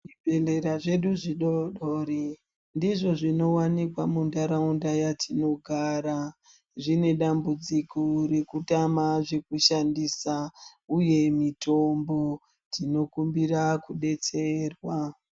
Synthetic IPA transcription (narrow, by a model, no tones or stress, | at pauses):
ʐibʱele̞ɾaʐe̞ɗuʐiɗoɗoɾi | ndiʐo̞ʐino̞wanikwamundaɾaundajatʰino̞ɡʱaːɾa | ʐine̞ɗambud͡zikore̞kutamaʐe̞kuʃandisauje̞mitombo̞ | tino̞kumbirakuɗe̞t͡se̞ːrwa